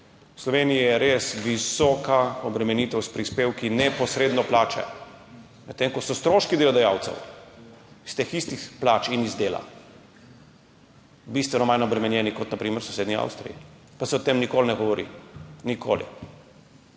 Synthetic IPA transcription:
wslɔʋenijijɛɾesʋisɔːkaɔbɾɛmɛniːt̪ɛwspɾispeːwkinɛpɔsɾeːd̪nɔplaːt͡ʃɛ̰ | mɛt̪ːeŋkɔsɔst̪ɾoːʃkid̪eːlɔd̪ɛjawt̪sɛ̰w | ist̪eːxist̪ixplaːt͡ʃinizd̪eːla̰ | bist̪ʋɛnɔmajnɔbɾɛmɛnjɛnikɔt̪napɾiːməɾsɔseːd̪nia̰wst̪ɾḭjḭ | pasɛɔt̪emnikoːlnɛɡɔʋɔɾḭnikʰo̰ːlḭ

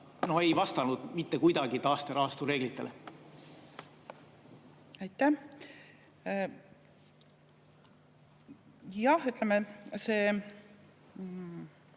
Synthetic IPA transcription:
no̞he̞jvɑst̪ɑnud̪̥mit̪ːekujd̪̥ɑɡit̪ɑːst̪eɾɑːst̪uɾe̞ːɡ̥lit̪ːˑele | ɑjt̪ːˑæh | jɑhyt̪ˑlemeseː

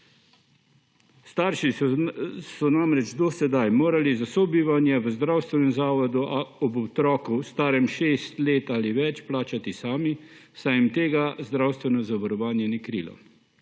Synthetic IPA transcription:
st̪aːɾʃi | sɔnamɾɛd͡ʒd̪ɔsɛd̪ajmoːɾalizasɔbiːʋanjɛʋəzd̪ɾawst̪ʋɛnɛmzaːʋɔd̪uɔbɔt̪ɾɔːkust̪aːɾɛmʃeːst̪leːt̪aːliʋɛt͡ʃplaːt͡ʃat̪isaːmisajimt̪eːɡazd̪ɾawst̪ʋɛnɔzaʋɔɾɔʋaːnjɛnikɾḭːlɔ̰

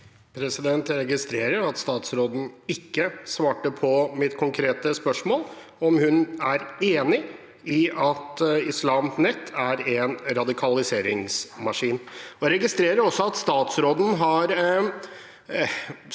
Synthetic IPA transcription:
pʰɾɛsɪd̪ɛnt̪ɾɛɡɪst̪ɾeːɾəɾɑt̪st̪ɑːt̪sɾoːd̪n̩ɪkːəsʋɑːʈəpʰɔmɪt̪kʰʊŋkʰɾeːt̪əspœʂmoːl | ɔmhʉnæɾeːnɪ | ɪʔɑt̪ɪslɑːmnɛt̪ʰːæɾɛnɾɑd̪ɪkʰɑlɪseːɾɪŋsmɑʂiːnɔɾɛɡɪst̪ɾeːɾəɾɔsːɔɑt̪st̪ɑːt̪sɾoːd̪n̩ɦɑɾ

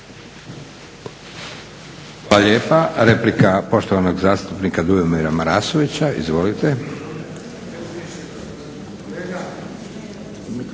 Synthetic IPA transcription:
laʎjeːpaɾe̞plikapo̞ʃt̪oʋano̞ɡzaːst̪upnikad̪ujomiɾamaɾaːsoʋit͡ɕaḭzʋo̞lit̪e

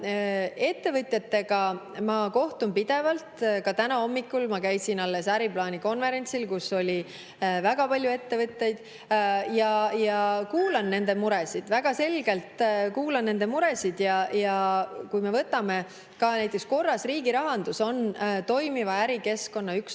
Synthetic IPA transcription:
e̞t̪ːe̞vɤt̪ʲˑjɑt̪ːe̞ɡ̥ɑ | mɑko̞ht̪umpid̪̥e̞vɑlt̪kɑt̪ænɑo̞mːikːˑulmɑkæjsinɑlːe̞sæɾiplɑːnʲiko̞nve̞ɾe̞nʲt̪silkusːo̞lʲi | væɡ̥ɑpɑlʲjue̞t̪ːe̞vɤt̪ʲːe̞jd̪̥ | jɑjɑkuːlɑnːe̞nd̪̥e̞muɾɛsid̪̥væɡ̥ɑse̞lɡ̥e̞lt̪kuːlɑnːe̞nd̪̥e̞muɾe̞sid̪̥jɑjɑkujmevɤt̪ːˑɑme̞ | kɑnæjt̪ːˑeksko̞rːɑsriːɡ̥iɾɑɦɑnd̪̥uso̞nt̪o̞jmivɑæɾike̞sko̞nːɑyks

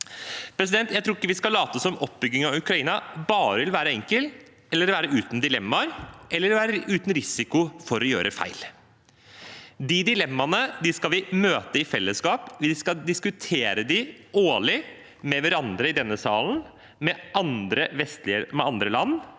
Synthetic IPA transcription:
pʰɾɛs̬ɪd̪ɛnt̪jæt̪ʰɾuːɾɪkːəʋɪskɑlːɑːt̪əsɔmɔp̚bʏɡːɪŋɑʋʉkɾɑiːnɑbɑːɾəʋɪlʋæːɾəɛŋkəl | ɛlːəɾʋæːɾəʉːt̪n̩d̪ɪlɛmːɑɾɛlːəɾʋæːɾəʉːt̪n̩ɾɪsɪkʊfɔɾɔjø̰ːɾʔəfæ̰ɪl | d̪ɪd̪ɪlɛmːɑnəd̪ɪskɑlʋɪmøːt̪əɪfɛlːəskɑːpʋɪskɑd̪ɪskʉt̪ʰeːɾəd̪ɪoːɭɪ | mɛʋæɾɑnd̪ɾəɪd̪ɛnːəsɑːln̩ | mɛɑnd̪ɾəʋɛst̪lɪəmɛɑnd̪ɾəlɑnː

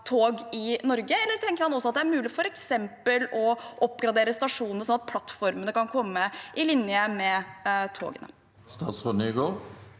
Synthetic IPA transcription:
t̪ʰoːɡɪnɔɾɡəɛlːəɾʈ̪ʰɛŋkəɾhɑnɔsːɔɑt̪̚d̪ɛæɾmʉːlɪfɔɾɛksɛmpəlɔʔɔpːɡɾɑd̪eːɾəst̪ɑʂuːnnəsɔnɑt̪̚pʰlɑt̪ːfɔɾmənəkɑnkʰɔmːəʔɪlɪnjəmɛt̪ʰo̰ːɡənə̰ | st̪ɑːsfɔnyɡoːʁ

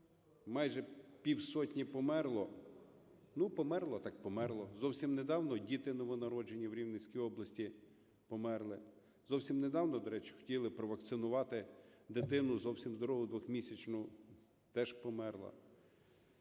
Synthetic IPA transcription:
mɑjʒɛpʲiwsɔtʲnʲipɔmɛrlˠɔ | nupɔmɛrlˠɐt̪ɑk̚pɔmɛrlˠɔzɔwsʲimned̪ɑwnɔdʲit̪ɪnɔʋɔnɐɾɔd͡ʒenʲːɐwɾʲiwnɪt͡sʲkʲijɔblˠɐsʲtʲi | pɔmɛrlˠɪ | zɔwsʲimned̪ɑwnɔd̪ɔɾɛt͡ʃɪ̥xɔ̥tʲilˠɪpɾɔʋɐk̚t̪sɪnʊʋɑt̪ɪd̪ɪt̪ɪnʊzɔwsʲimzd̪ɔɾɔɦʊd̪ʋɔxmʲisʲɐt͡ʃnʊ | t̪ɛʃpɔmɛrlˠɐ̰

